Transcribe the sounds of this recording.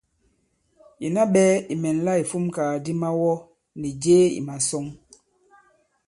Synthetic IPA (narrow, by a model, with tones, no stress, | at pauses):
i˨na˦ɓɛ˦i˨mɛ˨n˨˦la˦i˨fu˦mkaː˨di˦ma˦wɔ˦ | ni˨d͡ʒeː˦ḭ˨ma˨sɔ˦ŋ